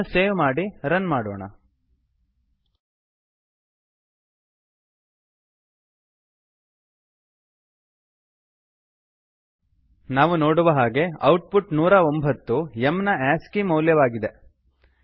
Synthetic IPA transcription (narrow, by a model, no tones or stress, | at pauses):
seːʋmaːɽiɾɐnmaːɽoːɳɐ̰ | naːʋuno̞ːɽuʋɐɦaːɡe̞ɐwʈ̚puʈnuːɾɐo̞mbʱɐt̪ːuemnɐaːskimɐwljɐʋaːɡid̪e̞